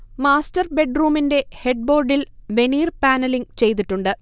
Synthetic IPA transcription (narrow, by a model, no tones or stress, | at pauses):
maːstɐrbe̞ɖruːminde̞heɖ̚bo̞ːrɖilʋe̞niːrpaːnɐliŋt͡ɕe̞jt̪iʈːuɳɖɨ